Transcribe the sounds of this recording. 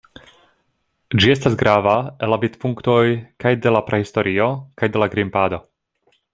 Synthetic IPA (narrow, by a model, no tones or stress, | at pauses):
d͡ʒie̞s̬tasɡɾavaelːavit̪puŋkt̪o̞jkajde̞lapɾʔehist̪o̞ɾio̞kajdelaɡɾimpaːd̪o̞